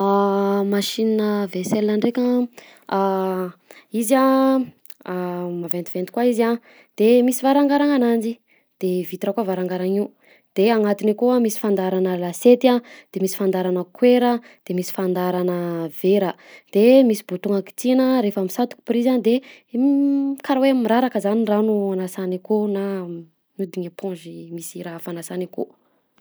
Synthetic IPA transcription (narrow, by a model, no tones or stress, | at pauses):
amaʃininəveselnaɳɖ͡ʐekʲə | a | iza | mavent̪ivent̪ikwaiza | d̪̥emisivaɾaŋɡaɾaŋanand͡ʒi | d̪̥evit̪iɾakavaɾaŋɡaɾaŋiu | d̪̥eaŋat̪inikuəmisi̥fand̪aɾanəlaset̪iad̪̥emisi̥fand̪aɾanəkweɾə | d̪̥emisi̥fand̪aɾanəv̥eɾə | d̪̥emisibot̪uŋaki̥t͡sinəɾefamisat̪u̥ki̥prizanid̪e | kaɾaweammiɾaɾakəzaninranuanasanikona | mud̪iɲepʰõnʒimisiɾaafanasaniko̰